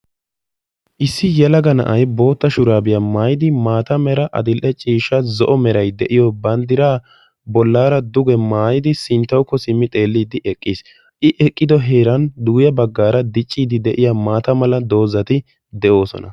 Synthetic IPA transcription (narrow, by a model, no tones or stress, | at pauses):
ʔɪsːɪjɛlɐɡɐnɐ̰ʔɐjbo̞ːt̪ːɐʃʊɾaːbɪjɐmaːjɪd̪ɪmaːt̪ɐmɛɾɐʔɐ̰d̪ɪlʔɛt͡ʃʼiːʃɐzɔʔɔmɛɾɐjd̪ɛʔɪjɔbɐnd̪ɪɾaː | bɔlːaːɾɐd̪ʊɡɛmaːjɪd̪ɪsɪnt̪ːɐwkːɔsɪmːɪt̪ʼe̞ːlːiːd̪ɪʔɛkʼːis | ʔɪʔɛkʼːɪd̪ɔɦeːɾɐnd̪uːjɐbɐɡːaːɾɐd̪ɪt͡ʃʼːiːd̪ɪd̪ɛʔɪjamaːt̪ɐmɐlɐd̪o̞ːzɐt̪ɪ | d̪ɛʔo̞ːsɔ̰nɐ̰